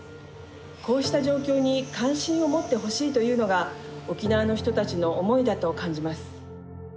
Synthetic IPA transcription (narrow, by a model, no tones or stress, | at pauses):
ko̞ːɕi̥t̪aʑo̞ːkʲo̞ːɲ̟ikãɰ̃ɕĩɰ̃o̞mo̞t̪ːe̞ɦo̞ɕiːt̪o̞jɯ̟ːno̞ɡa | o̞kʲinaβanoçi̥t̪o̞t̪at͡ɕino̞ʔːmo̞id̪at̪o̞kãɲ̟d͡ʑimasɨ̥